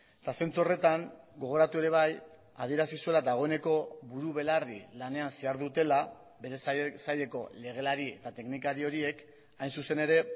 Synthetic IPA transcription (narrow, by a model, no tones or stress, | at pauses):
t̪ase̞nt͡suo̞re̞t̪aŋ | ɡo̞ɣ̞o̞ɾat̪ue̞ɾe̞β̞aj | a̰ð̞ie̞ɾasisue̞lad̪aɣ̞o̞e̞ne̞ko̞βuɾuβe̞larḭlane̞anse̞aɾðut̪e̞la | be̞ɾe̞ssaje̞ko̞le̞ɣ̞e̞laɾie̞t̪at̪e̞knikaɾio̞ɾie̞k | ajnsuse̞ne̞ɾe̞